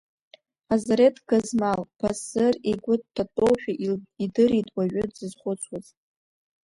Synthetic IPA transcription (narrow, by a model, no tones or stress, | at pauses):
azaɾetʰʼɡazmalpʰasɨreɡʷʊttʰːatʼowħᶣaʔidɨɾitʼwaɥʷᶣʊdzɨzχʷʊt͡sʰwazʼ